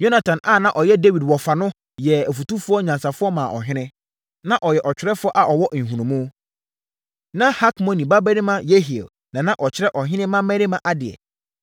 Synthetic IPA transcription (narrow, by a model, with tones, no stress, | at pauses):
jo˦na˨tʰã˨na˦˨nã˦ʔɔ˨jɛ˦de˦wi˨dwɔ˨fa˨nʊ̃˦ | jɛ˨æ˨fu˨tu˦fʊ˦ɔ˦ɲã˨nsa˨fʊ˦ɔ˦mã˨ʔɔ̰˨ɦɪ̃˦nɪ̃˦ | nã˦ʔɔ˨jɛ˨ʔɔ˨t͡ɕᶣɪ˨˦ɾɛ˦fʊ˦ɔ˦ʔa˨ʔɔ˨wɔ˦ʔn̩˨ɦũ˨nũ˨mʊ̃˦ | nã˦ha˦kmɔ̃˨nĩ˨ba˦bæ˦ɾi˦mã˦je˦ɦi˨ḛ˨l | nã˨nã˦ʔɔ˨t͡ɕʰɪ˦ɾɛ˦ʔɔ˨ɦɪ̃˦nɪ̃˦mã˦mɛ˦ɾi˦mã˦ʔa˦dɪ˨ɛ̰˨